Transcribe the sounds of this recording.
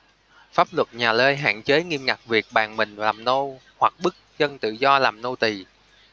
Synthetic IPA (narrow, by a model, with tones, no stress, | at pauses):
faː˦˥p̚lwə˨˩t̚ɲaː˨˩ləː˧jɦa̰ː˧˨ŋt͡ɕe˨˦ŋi˧mŋa˨˩k̚vi˨˩ək̚ɓaː˨˩ŋmï˨˩ŋ̟laː˨˩mno˧ | hwa˨˩k̚ɓɨ˦˥k̚zə˧nt̪ɨ̰˧˨zɔ˧laː˨˩mno˧t̪i˨˩